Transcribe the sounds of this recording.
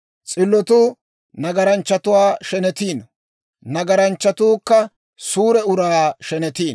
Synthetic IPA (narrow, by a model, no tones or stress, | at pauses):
t͡sʼɪlːɔt̪uː | nɐɡɐɾɐnt͡ʃːɐt̪ʊwaːʃɛnɛt̪iːn | nɐɡɐɾɐnt͡ʃːɐt̪uːkːɐ | suːɾɛʊɾaːʃɛnɛt̪iːn